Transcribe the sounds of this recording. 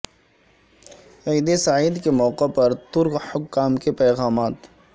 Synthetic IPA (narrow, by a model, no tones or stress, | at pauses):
ɐjd̪esaiːd̪kemɔːqepɐɾt̪ʊɾkhʊkːaːmkepɛːɣaːmaːt̪